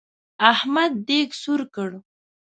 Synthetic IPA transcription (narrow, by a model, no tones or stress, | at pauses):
ahmad̪̚ːeɡsuɾkəɽ